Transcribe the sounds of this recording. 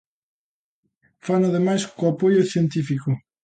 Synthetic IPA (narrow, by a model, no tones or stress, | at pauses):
fanaðemajskoapojʊθjent̪ifikʊ